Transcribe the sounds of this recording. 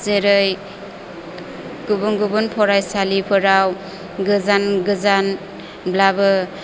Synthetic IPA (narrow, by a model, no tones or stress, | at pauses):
zeɾɯj | ɡubuŋɡubunpʰɔɾajsalipʰɯɾaw | ɡɯzanɡɯzan | blabɯ